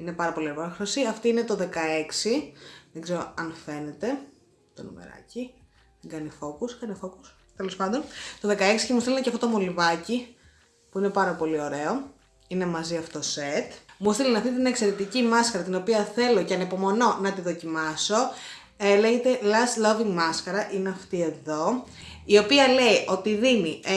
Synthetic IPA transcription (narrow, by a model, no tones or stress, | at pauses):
ine̞pɐɾɐpo̞lieɾpoxɾosiɐft̪iinet̪oðe̞kɐe̞ksiðeɡzeɾo̰ɐnfe̞ne̞t̪e̞ | t̪onṵmḛɾɐ̰ci | t̪iɡɐnifo̞kuskɐnifo̞kus | t̪e̞lo̞spɐnd̪o̞nt̪o̞ðe̞kɐeksi̥cemustilinɐceɐft̪ot̪omolivɐci | puine̞pɐɾɐpo̞lio̞ɾe̞o | ine̞mɐziɐfot̪oset̪must̪ilinɐft̪it̪nekse̞ɾe̞t̪icimɐskɐɾɐt̪ino̞piɐθe̞lo̞ceɐnepo̞mo̞no̞nɐt̪iðo̞cimɐso̞ | eleɣet̪e̞lɐsloviŋmɐskɐɾɐʔineɐft̪ie̞ðo̞ | io̞piɐle̞iʔo̞t̪iðini